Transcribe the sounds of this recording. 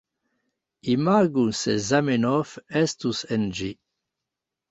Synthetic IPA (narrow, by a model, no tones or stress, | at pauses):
imaɡunsezamenɔfɛst̪usend͡ʒi